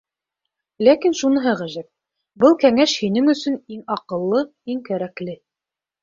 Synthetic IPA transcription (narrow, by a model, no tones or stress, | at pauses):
lækinʃunɤ̆ɦɤʁæʒɘp̚ | bɤlˠkæŋæʃhinɘŋɵ̆sɵ̆niŋɑqɤ̆lˠːɤ | iŋkæɾæklɘ